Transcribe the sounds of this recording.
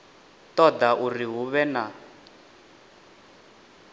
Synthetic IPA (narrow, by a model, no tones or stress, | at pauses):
t̪ɔd̪aʔuriɦuβɛna